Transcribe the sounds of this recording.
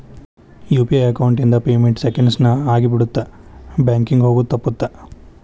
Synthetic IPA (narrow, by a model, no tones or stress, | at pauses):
juːpiɐjɐkɐwuɳʈind̪ɐpeːmeɳʈsekeɳɖsnɐaːɡibiɽut̪ːabjaːŋkiŋɡɦoːɡut̪ːɐpːut̪ːa